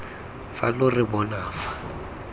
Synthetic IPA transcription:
falʊrɪbɔnaːfḁ

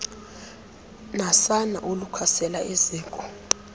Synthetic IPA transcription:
nasana̰ʔolukʰasɛlaʔiziːŋkʼɔ

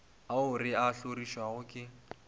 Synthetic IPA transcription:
aʊrɪaɬoriʃwaɣʊkʼɪ

